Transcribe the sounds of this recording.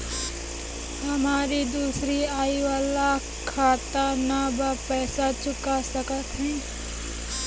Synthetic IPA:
ɦɐmaːɾid̪uːsɾiaːiʋaːla | kʰːaːt̪anabɐpɛːsat͡ʃʊkasəkət̪ɦɛ̃ː

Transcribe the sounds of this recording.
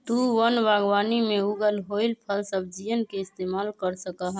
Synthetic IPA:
t̪uwənbaɡʋanimeuɡəlɦojlpʰəlsəb̚d͡ʒijənkeist̪emalkəɾsəkəɦ

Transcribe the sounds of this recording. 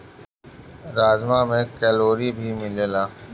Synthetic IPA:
ɾaːzmãːmẽːkɛːloːɾibʱiːmɪleːlaː

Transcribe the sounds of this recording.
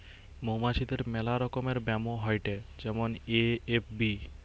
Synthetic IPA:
mowmaʃid̪eɾmɛlaɾɔkomeɾbɛmoɦɔjʈed͡ʑɛmoneepbi

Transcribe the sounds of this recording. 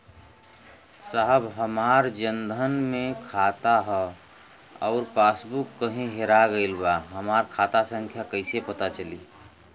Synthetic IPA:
saɦəbɦəmaːɾd͡ʒənd̪ʱənmẽkʰaːt̪aɦɛ | ɔːɾpaːsbukːəɦẽɦeɾaɡəɪlbaɦəmaːɾkʰaːt̪asə̃ŋkʰjakəɪsepət̪at͡ʃəliː

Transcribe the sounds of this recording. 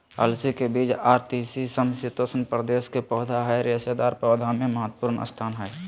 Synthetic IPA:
əlsikebiːd͡ʒaːɾt̪isisəmsit̪osənpɾəd̪eːskepɔːd̪ʱaɦɛɾesed̪aːɾpɾɔːd̪ʱamẽməɦət̪ːpuːɾnə̰st̪ʰaːnɦɛː

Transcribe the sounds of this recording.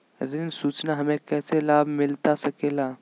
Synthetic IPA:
ɾɪnsuːt͡ʃnaɦɐmẽkɛːselaːbʱmɪlt̪asəkeːlaː

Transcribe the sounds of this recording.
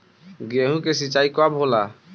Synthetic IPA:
ɡeɦũkesit͡ʃaikabʱɦola

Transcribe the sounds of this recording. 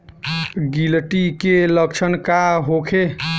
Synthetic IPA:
ɡilʈikelək̚t͡ʃʰənkaɦokʰe

